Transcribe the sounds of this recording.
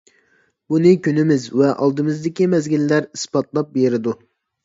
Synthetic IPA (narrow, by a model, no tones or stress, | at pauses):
bunɨkʲʰynɪmɪzvɛʔɑlˠd̪ɨmɨzd̪ɪkʲimɛzɡʲilːæɾispɑt̪lˠɑp̚beɾɪd̪u